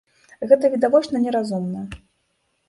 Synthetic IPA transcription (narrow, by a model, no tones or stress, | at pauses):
ɣɛt̪ɐvʲid̪avɔt͡ʂnɐnʲɛɾazumnɐ